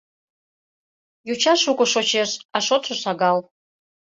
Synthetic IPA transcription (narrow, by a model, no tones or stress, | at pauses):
jut͡ʃʰaʂukʷʼʊʂot͡ʃʰeʂaʂot͡sʷʰoʂaɡal